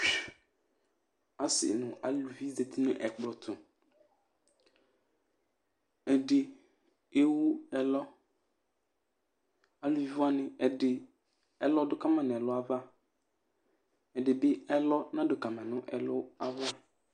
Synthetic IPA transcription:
a˨sɪ̰˨nʊ̃˨a˨lu˨vi˦zɛ˨tʰi˦nʊ̃˦ʔɛ˨k͡pɾɔ˨tʰʊ˨ | ɛ˨dɪ˨ | e˦wʊ˦ɛ˨lɔ˦ | a˨lu˨vi˨va˦nɪ̃˨ɛ˨dɪ˨ | ɛ˨lɔ˦dʊ˦ka˦mã˨nʊ̃˨ɛ˨lʊ˦a˦va˦ | ɛ˨dɪ˨bɪ˦ɛ˦lɔ˦nã˦dʊ˨ka˨mã˨nʊ̃˦ʔɛ˨lʊ˦a˦va˦

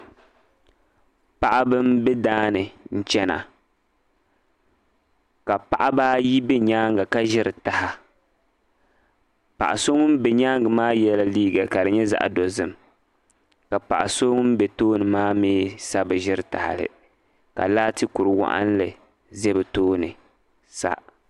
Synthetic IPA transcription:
pa˦ʔa˦bɨ˦mbɛ˦daː˦nɨ˨n̩˦t͡ʃɛ˦na̰˨ | ka˨pa˦˨ʔa˦baː˦ji˦bɛ˦ɲaː˦ŋɡa˨ka˦ʒɪ˦ɾɨ˨ta˨ha˨ | pa̰˨ʔa˨so˦ŋʊ˦m˦bɛ˨ɲaː˦ŋɡɨ˨maː˦jɛ˦la˦liː˦ɡa˨ka˨dɨ˨ɲɛ˦za̰˨ʔa̰˨do˨zɨ˨m | ka˨pa̰˨ʔa˨so˦ŋ˦m˦bɛ˨toː˦nɨ˨maː˦miː˦sa˦bɨ˨ʒɪ˦ɾɨ˨ta̰˨ha̰˨lɨ̰˨ | ka̰˨laː˦tɨ˦ku˨ɾɨ˨wa̰˦˨ʔa̰˦n˦lɨ˨ | zɛ˦bɨ˨toː˦nɨ˨ | sa̰˦

